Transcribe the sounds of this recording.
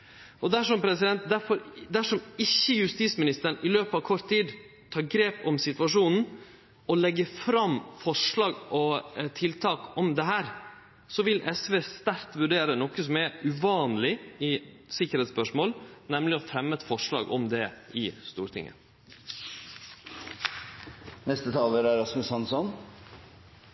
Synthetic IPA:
ʔɔd̪æʂɔmpʰɾɛsɪd̪ɛnt̪̚d̪æɾfɔɾd̪æʂɔmɪçːəjʉst̪iːsmɪnɪst̪əɾɳɪløːpɑʋkʰɔɾt̪ʰːiːd̪ | t̪ʰɑːɾɡɾeːpɔmsɪt̪ʋɑʂuːnn̩ | ɔlɛɡːəfɾɑmfɔʂɭɑːɡʔɔt̪ʰɪlt̪ʰɑːkɔmd̪ɛɦæːɾ | sɔʋɪlʔɛsʋeːst̪æɾt̪ʋʉɖeːɾənɔkəsɔmɛʉʋɑːnlɪɪ | sɪkːəɾhɛːt̪spœʂmoːlnɛmlɪɔfɾɛmːəɛt̪fɔʂɭɑ̰ːɡʔɔmd̪ɛʔɪst̪uːɾt̪ʰɪ̰ŋʔə̰ | nɛst̪ət̪ʰɑːləɾæɾɑsmʉsɑnsɔn

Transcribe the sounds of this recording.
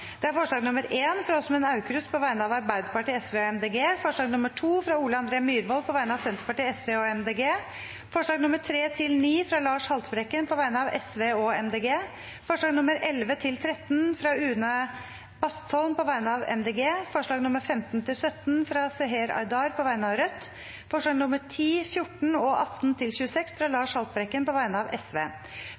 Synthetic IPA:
d̪̥ɛæɾfɔʂɭɑːɡnʊməɾʔeːnfɾɑɔsɔmɛːnɑʉkɾʉspʰɔʋæɪnəɑːʋɑɾbæɪd̪pɑʈʰiːɛsʋeːɔɛmd̪eːɡeːfɔʂɭɑːɡnʊməʈʰuːfɾɑuːləɑnd̪ɾeːmyːɾʋɔlpʰɔʋæɪnəɑʋsɛnt̪əɾpɑʈiːɛsʋeːɔɛmd̪eːɡeː | fɔʂɭɑːɡnʊməʈʰɾeːt̪ʰɪlniːfɾɑlɑːʂhɑlt̪bɾɛkːənpʰɔʋæɪnəɑʋɛsʋeːɔɛ̰md̪eːɡeː | fɔʂɭɑːɡnʊməɾʔɛlʋət̪ʰɪlt̪ʰɾɛt̪ːnfɾɑːʉːnə | bɑst̪ʰɔlnpɔʋæɪnəɑːʋɛ̰md̪eːɡeːfɔʂɭɑːɡnʊmːəɾfɛmt̪nt̪ʰɪlsœt̪nfɾɑːsɛɦeːɾɑ̰ɪd̪ɑːɾpʰɔʋæɪnəɑːʋɾœt̪ː | fɔʂɭɑːɡnʊməʈʰiːfjʊʈɳ̩ɔʔɑt̪ːnt̪ʰɪlçʉːəsɛksfɾɑːlɑːʂhɑlt̪bɾɛkːənpɔʋæɪnəɑːʋɛsʋḛː

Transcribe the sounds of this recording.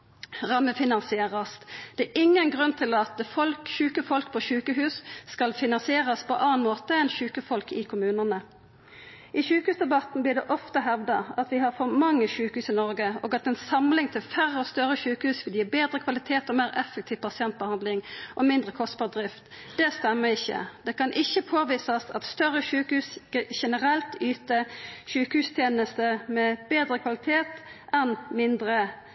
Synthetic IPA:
ʁɑmːəfɪnɑnsɪeːʁɑsd̪̥ɛæʔɪŋːənɡʁʉnt̪ʰɪlɑt̪̚fɔlkʃʉːkəfɔlkpʰɔʃʉːkəhʉːsːkɑlfɪnɑnsɪeːʁɑspʰɔʔɑːnmoːt̪əɛnʃʉːkəfɔlkɪkʰʊmʉːnənə | ɪʃʉːkəhʉːsd̪ɛbɑt̪n̩b̪ɪd̪ɛʔɔft̪əɦɛʋd̪ɑɑt̪ʋɪhɑɾfɔmɑŋːəʃʉːkəhʉːsɪnɔʁɡəo̰ːɡɑt̪ɛnsɑmlɪŋt̪ʰɪlfæɾːəɔst̪œɾəʃʉːkəhʉːsʋɪljiːbeːd̪ɾəkʰʋɑlɪt̪ʰeːt̪ɔmeːɾɛfɛk̚t̪ʰiːʋpʰɑsɪɛnt̪̚bəhɑnd̪lɪŋʔɔmɪnd̪ʁəkʰɔst̪bɑːʁd̪ɾɪft̪ | d̪̥ɛst̪ɛmːəɪçːə̰d̪̥ɛkɑnʔɪçːəpʰoːʋiːsɑsɑ̰t̪st̪œɾːəʃʉːkhʉːsʃɛnəɾɛlt̪yːt̪əʃʉːkəhʉːst̪ʰjeːnəst̪əmɛbeːd̪ɾəkʰʋɑlɪt̪ʰeːt̪ɛnmɪnd̪ɾə

